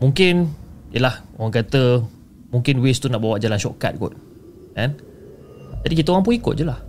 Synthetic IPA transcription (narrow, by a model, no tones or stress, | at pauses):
mũŋkɪnjəlahoɣaŋkat̪ə | mũŋkɪnwest̪unaʔbawaʔd͡ʒalanʃɔka̰t̪̚ɡɔ̰t̪̚ | kɛ̃n | d͡ʒadik̬it̪əoɣãŋmp̬ʊŋikʊ̰t̚d͡ʒulah